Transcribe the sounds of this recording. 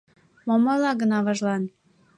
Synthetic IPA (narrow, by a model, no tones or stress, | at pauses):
momɑlɑɡə̆nɑβɑʒlɑn